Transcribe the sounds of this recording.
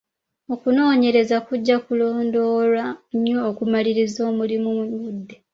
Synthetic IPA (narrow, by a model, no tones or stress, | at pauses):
o̞kuno̞ːɲe̞ɾe̞zakuɟːakulo̞ːndo̞ːlaɲːo̞ːkumaliɾizo̞ːmulimumuɲudːe